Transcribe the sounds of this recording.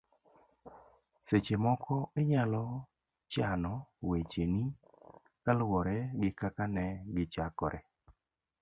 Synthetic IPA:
set͡ʃemɔkɔɪɲalɔ | t͡ʃanɔwet͡ʃeni | kalwɔɾɛɡɪkakanɛɡɪt͡ʃakɔɾɛ

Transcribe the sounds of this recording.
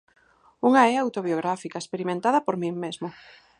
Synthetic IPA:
uŋaɛawt̪oβjoɣɾafikaespeɾimẽnt̪að̞ɐpoɾmĩŋmezmo

